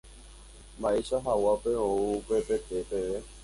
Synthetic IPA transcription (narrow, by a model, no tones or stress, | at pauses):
mbaeʃaɦawapeouupe̞pet̪epeʋe